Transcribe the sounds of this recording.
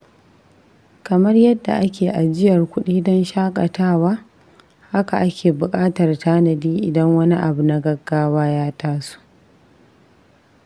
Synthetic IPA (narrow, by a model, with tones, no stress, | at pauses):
kɐ˨mɐ˦rjɐ˦dːa̰˨ʔa˦kʲʰeː˨ʔa˨d͡ʒɪ˦jɐ˨rkʷʊ˦ɗiː˦dɔ˦nʃaː˦kʼɐ˨taː˦waː˦ | ha˦ka˨ʔa˦kʲeː˨bʊ˨kʼaː˦tɐ˨rtʰaː˦nɐ˨diː˦ʔɪ˨dɐ˦ŋwɐ˦ni˦ʔa˨bu˨na˨ɡɐ˦ɡːaː˦waː˦jaː˦taː˦su̥˦ʔ